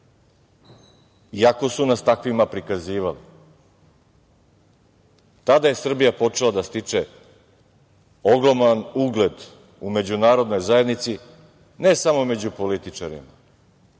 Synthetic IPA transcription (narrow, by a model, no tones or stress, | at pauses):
iako̞sunast̪akʋimapɾikaziːʋalḭ | t̪ad̪aje̞sr̩bijapo̞t͡ʂelˠad̪ast̪it͡ʂe | oɡɾo̞manuɡle̞d̪ | ume̞d͡ʑunaːɾo̞d̪no̞jzaje̞d̪nit̪si | ne̞samo̞me̞d͡ʑupo̞lit̪it͡ʂaɾḭma